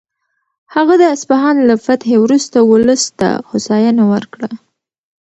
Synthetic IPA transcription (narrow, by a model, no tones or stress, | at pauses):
haɣad̪əaspaɦɑnlafat̪hewɾust̪awʊləst̪a̰hʊsɑjanawəɾkɽa